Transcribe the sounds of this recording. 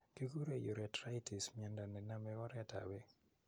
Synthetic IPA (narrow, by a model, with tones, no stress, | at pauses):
ki˦ku˦ɾe˨jo˨ɾɛ˨tɾa˦iti˨smiɛ˨nda˨nɛ˨na˦mɛ˦ɔ˦ɾɛ˦ta̰˨we˦